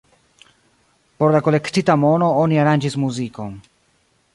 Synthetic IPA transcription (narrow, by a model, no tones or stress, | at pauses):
po̞ɾlako̞le̞ktitamo̞no̞oniaɾand͡ʒismuziko̞n